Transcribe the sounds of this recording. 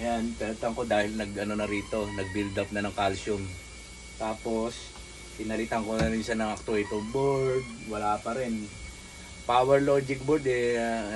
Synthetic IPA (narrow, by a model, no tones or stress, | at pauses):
ʔɐjanp̪ɪnɐt̪ɐŋko̞d̪aːhɪlnɐɡʔɐno̞nɐɾiːt̪o̞nɐɡ̚bɪld̪ap̚nɐnɐŋkalsʊm | t̪aːpo̞s | p̪ɪnɐlɪt̪aŋkonɐɾɪnʃanɐŋʔɐk̚t̪ʊt̪oboɹɡ̪̚wɐlaːpɐɾɪn | paːwɛɹloːd͡ʒɪk̚bʊd̪ɛ